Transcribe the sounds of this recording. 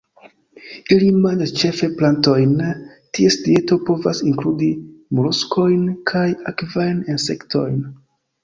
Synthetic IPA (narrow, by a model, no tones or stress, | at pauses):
ilimand͡ʒast͡ʃe̞fe̞planto̞jn | tie̞sdie̞to̞po̞vasiŋkludimuɾusko̞jnkʰajakvajnense̞kto̞jn